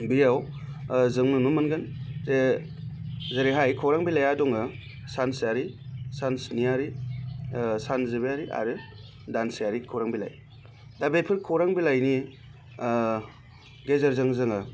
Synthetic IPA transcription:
bijaw | zɯŋnɯnumɯnɡɯnze | zɯɾiɦajkʰɔɾaŋbilajadɔŋɯ | sansjaɾisansniaɾi | sanzɯbijaɾiʔa̰ɾɯ | dansijaɾikʰɔwɾaŋbila̰j | dabepʰɯɾkʰɔɾaŋbilajni | ɡezaɾzɯŋzɯŋɯ

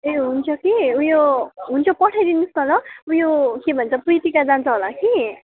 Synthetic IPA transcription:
eɦunt͡sʰʌkiujoɦunt͡sʰʌpʌʈʰajd̪inuskʌɦlʌujokebʱʌnt͡sʰʌprit̪ikad͡zant͡sʰʌɦolaki

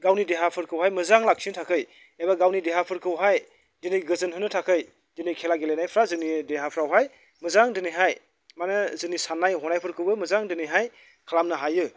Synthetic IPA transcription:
ɡawnideɦapʰɯɾkʰɯwɦajmɯzaŋlak̚sintʰakʰɯj | ebaɡawnideɦapʰɯɾkʰɯwɦaj | dɯniɡɯzɯnɦɯnːɯtʰakʰɯj | d̥ɯnikʰelaɡelejnajpʰɾazɯnideɦapʰɾawɦaj | mɯzaŋdɯniɦaj | manɯzɯnisanːajɦɔnajpʰɯɾkʰɯwɯmɯzaŋdɯniɦaj | kʰalamnɯɦajɯ

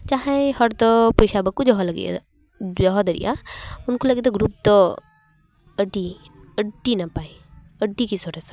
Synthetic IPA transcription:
t͡ʃaɦɛhɔɾt̪ɔpɔjsabəkːud͡ʒɔɦɔləɡḭ | d͡ʒɔɦɔd̪əɾḭʔa̰ʊnkoləɡit̪ɔɡɾup̚t̪ɔ | əɖi | əɖinapai | əɖikisɔɾɛsḁ

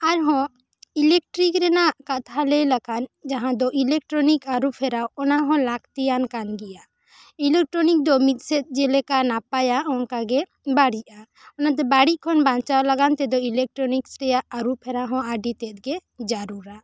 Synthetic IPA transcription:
aɾɦɔ̃ | ilɛk̚ʈɾikɾɛnakat̪ʰalɛlaɡand͡ʒaɦãd̪ɔʔilɛk̚ʈɾɔnikaɾupʰɛɾawɔnaɦɔ̃lakt̪ijankanɡɛja | ilɛk̚ʈɾɔnik̚d̪ɔmit̪̚ˀsɛt̪̚d͡ʒɛlɛkanapajaɔnkaɡɛ | baɽiʔa | ɔnat̪̬ɛbaɽiʔ̚kʰɔnbãnt͡ʃawlaɡant̪ɛd̪ɔilɛk̚ʈɾɔniksɾɛjaaɾupʰɛɾaɦɔ̃aɖit̪ɛt̪̚ɡɛd͡ʒaɾuɾa

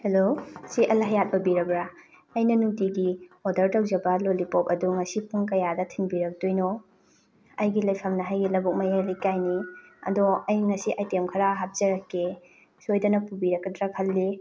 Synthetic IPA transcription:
helosiʔɐlɐɦɐjat̚bɐbiɾɐbɾa | ɐjnɐnuŋtiɡiodɐɾtɐwzɐbɐlolipop̚ɐduŋɐsipuŋkɐjadɐtʰiŋbiɾɐk̚tujno | ɐjɡilɐjpʰɐmnɐɦajɡilɐbuk̚mɐjalikajniɐ̰doɐjŋɐsiʔajtemkʰɐɾaɦap̚z̥ɐɾɐkːe | sojdɐnɐpubiɾɐkːɐdɾakʰɐlːi

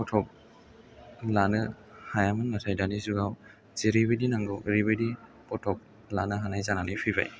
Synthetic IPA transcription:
pɔtʰɔk̚ | lanɯ | hajamɯnnatʰajdanizuɡaw | zeɾiβidinaŋɡɔwɾiβedi | pɔtʰɔk̚ | lanɯɦanajzananijpʰiba̰j

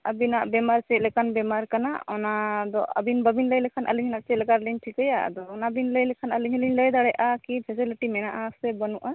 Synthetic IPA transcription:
əbinaʔbɛmaɾt͡ʃɛt̪lɛkanbɛmaɾkana̰ɔnad̪ɔə̰binbəbinləjlɛkʰanʔə̰liɲinaʔt͡ʃɛlɛkaɾliɲʈʰikəjaʔd̪ɔːnabinləjlɛkʰanəliɲiliɲləjd̪aɽɛʔakipʰɛs̬iliʈimɛnaʔasɛbənuʔa

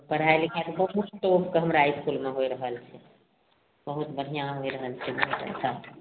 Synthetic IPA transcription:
pəɽaelekat̪bəɦut̪ʈopkəɦəmɾaiskulmeɦoiɾəɦəlt͡ʃʰɛ | bəɦut̪bəɽ̤ijãɦoiɾəɦəlt͡ʃʰɛməɦt̪ɛ̰ɪsa

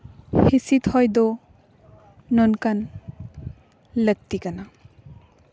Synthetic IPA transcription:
hisit̪hɔjd̪ɔ | nɔnkan | lək̚tikana

